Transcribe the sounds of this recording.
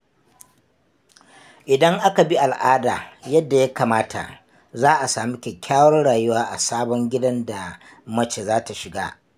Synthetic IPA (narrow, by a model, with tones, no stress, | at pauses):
ʔɪ˨dɐ˦ŋʔa˦ka˨bi˦ʔa˨lʔaː˦daː˨jɐ˦dːa˨ja˦kaː˨maː˦tʰa̰˨ | zaː˦ʔa˨saː˨mi˦kʲe˨kʲaː˦wɔ˦nɽaː˨jʊ˦waː˦ʔa˨saː˦bɔ˦ŋɡʲɪ˦dɐ˦nda˨ | mɐ˦t͡ʃeː˨zaː˦ta˨ʃɪ˨ɡa̰ː˦